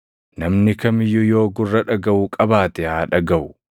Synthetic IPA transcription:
nɐmnɪkɐmɪjːʊjo̞ːɡʊrːɐᶑɐɡɐʔukʼɐbaːt̪ɛhaːᶑɐɡɐʔʊ̥

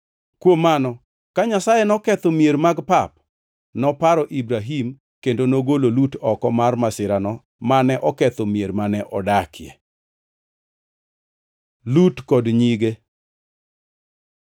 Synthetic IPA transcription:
kwomːanɔ | kaɲasajɛnɔkɛt̪omjeɾmaɡpap̚ | nɔpaɾɔʔibɾaɦim | kendonoɡololutɔkɔmarmasɪɾanɔ | manɛʔɔkɛt̪omjeɾmanɛʔɔdakʰɪɛ̰ | lutkɔdɲiɡe

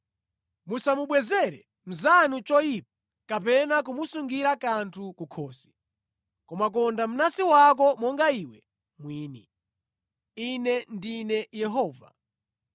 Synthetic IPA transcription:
musamuɓwɛzɛɾɛ | m̩zanut͡ʃɔip̚ḁ | kapɛnak̬umusuŋɡiɾakantʰukukʰɔːsi̥ | kɔmak̬ɔndam̩nasiwak̬ɔmɔŋɡaiwɛ | mwiːni | inɛndinɛjɛɦɔːva̰

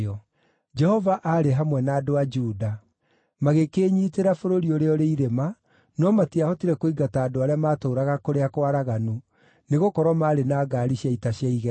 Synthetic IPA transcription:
ɔ | d͡ʒɛhɔvaʔaɾeɦamwɛnaːdoad͡ʒuːda | maɣekeːɲiːteɾafoɾoɾioɾeɔɾeiɾema | nɔmatiahɔtiɾɛkoiɡataːdoaɾeamaːtoːɾaɣakoɾeakwaɾaɣanu | neɣokɔɾwamaːɾenaːɡaːɾiʃjaitaɕjaiɣɛ

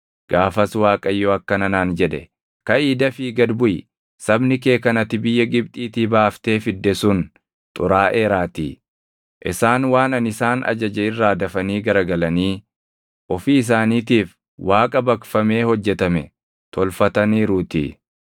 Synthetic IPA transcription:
ɡ̥aːfɐswaːkʼɐjːoɐkːɐnɐnaːnd͡ʒɛᶑ̪ɛ̰ | kɐiːd̪ɐfiːɡɐd̪bʊj | sɐbnɪk̬e̞ːkɐnɐt̪ːɪbɪjːɐɡɪbt̪ʼiːt̪iːbaːft̪e̞ːfɪd̪ːɛsʊn | t̪ʼʊɾaːʔe̞ːɾaːt̪ḭ | ʔɪ̰saːnwaːnɐnɪsaːnɐ̰d͡ʒɐd͡ʒɛɪrːaːd̪ɐfɐniːɡɐɾɐɡɐlɐniː | ʔɔfiːs̬aːniːt̪iːf | waːkʼɐbɐkfɐme̞ːhɔd͡ʒːɛt̪ɐmɛ | t̪ʰɔlfɐt̪ɐniːɾʊːt̪ɪ̰

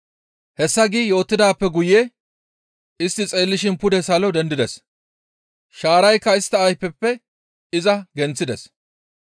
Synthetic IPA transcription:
hɛsːɐɡɪjo̞ːt̪ːɪd̪aːpːɛɡʊjeː | ɪst̪ːɪt͡sʼe̞ːlːɪʃɪnpʊd̪ɛsɐlɔd̪ɛnd̪ɪd̪ɛs | ʃaːɾɐjkːɐɪst̪ːɐːjpːɛpːɛ | ɪzɐɡɛnt͡sːɪd̪ɛs

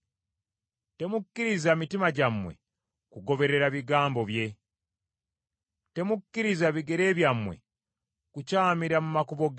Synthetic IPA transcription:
te̞mukːiɾizamitimaɟamwe̞̰ | kuɡo̞βe̞ɾe̞ɾaβiɡaːmbo̞βje̞ | te̞mukːiɾizaβiɡe̞ɾe̞ːβjamwe̞̰ | kucaːmiɾamumakuβo̞ɡ

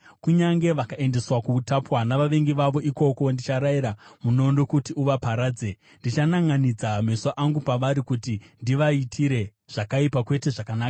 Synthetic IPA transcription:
kuɲaŋɡe̞ʋakaʔe̞nde̞swakuːtapwanaʋaʋe̞ŋɡiʋaʋo̞ʔiko̞ko̞ndit͡ʃaɾaiɾamuno̞ndokutiuʋapaɾaːd͡ze | ndit͡ʃanaŋɡanid͡zamesoʔaŋɡupaʋaɾikutindiʋaitʰiɾe̞ʐ̥akaipakwe̞te̞ʐakanaːka

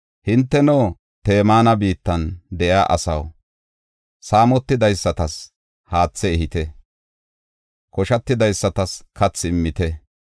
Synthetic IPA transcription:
hɪnt̪ːɛnoː | t̪e̞ːmaːnɐbiːt̪ːɐnd̪ɛjaːʔɐ̰sɐ̰w | saːmɔt̪ːɪd̪ɐjsːɐt̪ɐs | haːt͡sːɛɛhɪt̪ɛ | kɔʃɐt̪ːɪd̪ɐjsːɐt̪ɐskʰɐt͡sːɪmːɪt̪ɛ

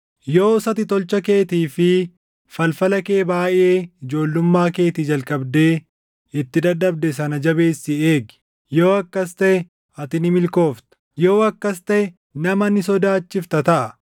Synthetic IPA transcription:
jo̞ːsɐt̪ɪt̪ɔlt͡ʃɐke̞ːt̪iːfɪ | fɐlfɐlɐke̞ːbaːjʔe̞ːɪd͡ʒo̞ːlːʊmːaːke̞ːt̪id͡ʒɐlkʼɐbd̪e̞ː | ɪt̪ːɪd̪ɐd̪ːɐbd̪ɛs̬ɐnɐd͡ʒɐbe̞ːsːɪeːɡɪ | jo̞ːɐkːɐst̪ɐʔɛ | ɐt̪ɪnɪmɪlko̞ːft̪ɐ̥joːɐkːɐst̪ɐʔɛ | nɐmɐnɪsɔd̪aːt͡ʃːɪft̪ɐt̪ɐʔɐ

